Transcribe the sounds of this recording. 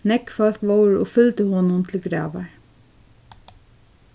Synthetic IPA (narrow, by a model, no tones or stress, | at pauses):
nɛkfɔl̥kʋɔwɹɔfʏlt̪əhɔːnʊnt̪ʰɪlɡɾɑ̰ːʋa̰ɹ